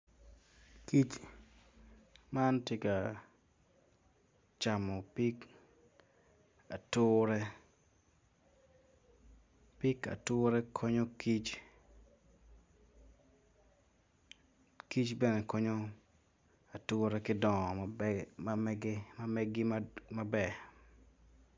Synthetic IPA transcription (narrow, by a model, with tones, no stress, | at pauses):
ki˦t͡ʃ | ma˦ntje˦ka˨ | t͡ʃa˨mɔ˨pi˦k | a˨tʊːɾɛ˦ | pi˦ka̰˨tʊː˦ɾɛ˦kʰɔ˦ɲo˦ki˦t͡ʃ | ki˦t͡ʃbɛ˦nɛ˨kɔ˦ɲo˦ | a˨tʊː˦ɾɛ˦kɪ˦dɔ˨ŋɔ˨ma˨mɛɡɪ˦ma˦mɛɡɪ˦mma˦bɛ˦˨